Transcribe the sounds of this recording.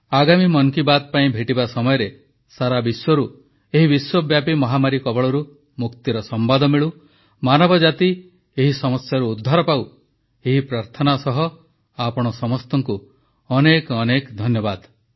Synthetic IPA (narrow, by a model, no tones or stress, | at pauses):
aɡamimɔnkibat̪ɔpaĩbʱeʈibasɔmɔjɔɾe | saɾabiswɔɾu | eɦibiswɔbjapimɔɦamaɾikɔbɔɭɔɾu | mukt̪iɾɔsɔmbad̪ɔmiɭu | manɔbɔd͡ʒat̪i | eɦisɔmɔsjaɾuːd̪ʱːaɾɔpaw | eɦipɾaɾt̪ʰɔnasɔɦɔ | apɔɽ̃ɔsɔmɔst̪ɔŋku | ɔnekɔnekd̪ʱɔnjɔbad̪